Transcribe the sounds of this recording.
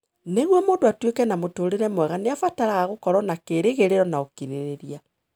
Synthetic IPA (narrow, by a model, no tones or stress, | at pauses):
neɣwɔmoːndoatwekɛnamotoːɾeɾɛmwɛɣaneafataɾaaɣokɔɾɔnakeɾeɣeɾeɾɔnaokiɾeɾeɾia